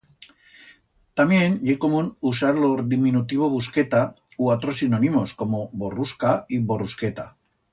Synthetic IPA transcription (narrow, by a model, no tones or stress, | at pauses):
t̪amjenʎeko̞munusaɾloɾðiminut̪iβ̞o̞βuske̞t̪a | uat̪ɾosinonimo̞sko̞mo̞bo̞ruskaibo̞rusket̪a